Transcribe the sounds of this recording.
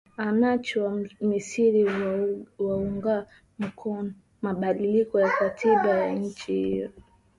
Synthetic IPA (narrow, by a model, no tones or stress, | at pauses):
anat͡ʃiwamisiɾi | wauŋɡa | m̩kʰɔnɔ | maɓaɗilikɔjakatʰiɓajaɲ̩t͡ʃihḭjɔ